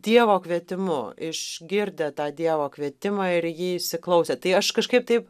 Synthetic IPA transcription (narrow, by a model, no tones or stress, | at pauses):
d̪̥ʲiɛʋoːkʋʲiɛt̪ʲɪmʊ̰ɪʃɡʲɪɾʲd̪ʲɛt̪ɑːd̪ʲiɛʋoːkʋʲiɛt̪ʲɪmɑːɪɾjiːɪʃʲsʲɪklˠɐʊsʲeːt̪ɐɪɐʃkɐʃkɐɪp̚t̪ɐɪp